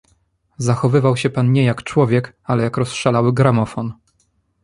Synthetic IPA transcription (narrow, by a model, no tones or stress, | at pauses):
zaxɔvɘvawɕɛpanɲɛjakt͡ʂwɔvʲjɛk | alɛjakɾɔsʂalawɘɡɾamɔfɔn